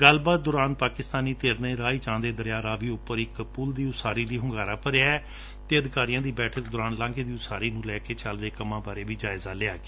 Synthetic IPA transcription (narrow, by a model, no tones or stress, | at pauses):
ɡəlbaːt̪̚d̪oːɾaːnpaːkɪst̪aːniːt̪eːɾnẽːɾaːiːt͡ʃãːnd̪eːd̪əɾjaːɾaːʋiːʊpːəɾɪkpʊld̪iːʊsaːɾiːliːɦʊ̃ŋɡaːɾaːpəɾeaːɛː | t̪eːəd̪ɪkaːɾijãːd̪iːbɛːʈʰək̚d̪ʊːɾaːnlãːŋɡeːd̪iːʊsaːɾiːnũːlɛːkeːt͡ʃəlʋeːkəmãːbaːɾeːbiːd͡ʒaːɪzaːlɪaːɡeː